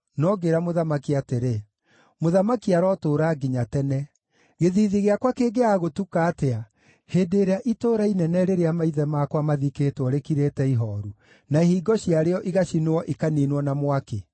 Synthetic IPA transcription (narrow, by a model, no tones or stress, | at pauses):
nɔɡeɾamoðamakiateɾe | moðamakiaɾɔtoːɾaːɡiɲatɛnɛ | ɣeðiðiɣeakwakeːɡeaɣotukaːtea | heːdeɾeaʔitoːɾainɛnɛɾeɾeamaiðɛmaːkwamaðiketwɔɾekiɾetɛiɦɔɾu | naehiːɡɔɕiaɾeɔʔiɣaɕinoɔʔikaninwɔnamwake